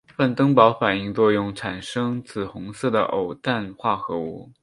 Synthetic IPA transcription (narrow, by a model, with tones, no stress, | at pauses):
fa˥˩nt̪ɤ˥ŋpɑ˧˥ʊfa˨˩ni˥˧ŋt͡swɔ˥˧jʊ˥˩ŋʈ͡ʂʰa˨˩nʂɤ˥ŋt͡sʰɹ̩˨˩xʊ˧˥ŋsɤ˥˩d̪ə̰˩ʔo˨˩ʊt̪a˥˩nxwa˥˩xɤ˧˥ṵ˥˩